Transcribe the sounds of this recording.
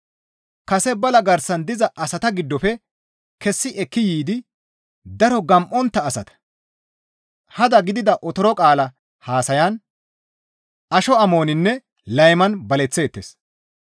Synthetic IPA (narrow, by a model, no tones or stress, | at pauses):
kɐsɛbɐlɐɡɐɾsɐnd̪ɪzɐʔɐsɐt̪ɐɡɪd̪ːɔfɛ | kɛsːɪʔɛkːɪjiːd̪ɪ | d̪ɐɾɔɡɐmʔɔnt̪ːɐːsɐt̪ɐ̥ | hɐd̪ɐɡɪd̪ɪd̪ɐʔɔt̪ɔɾɔkʼaːlɐ | haːsɐjɐn | ɐʃɔɐmo̞ːnɪnːɛ | lɐjmɐnbɐlɛt͡sːe̞ːt̪ːes